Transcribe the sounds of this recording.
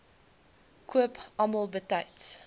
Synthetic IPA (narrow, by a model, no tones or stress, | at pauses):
kʰuəpaməlˠbətajts